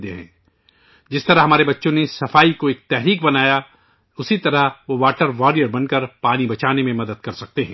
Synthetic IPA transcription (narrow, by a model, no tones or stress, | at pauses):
d̪ḛɦɛ̰̃ː | d͡ʒɪst̪ɐɾaɦɐmaːɾebɐtːʃõnesɐfaːikoeːk̚t̪ɛɦɾiːkbɐnaːja | ʊsit̪ɐɾaʋoʋaːʈəɾʋɔːɾijəɾbɐnkɐɾpaːnibɐt͡ʃaːnemẽmɐd̪əd̪kɐɾsɐk̚t̪eɦɛ̃ː